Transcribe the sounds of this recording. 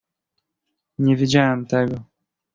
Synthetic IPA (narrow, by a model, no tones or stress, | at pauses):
ɲɛvʲid͡ʑawɛmt̪ɛɡɔ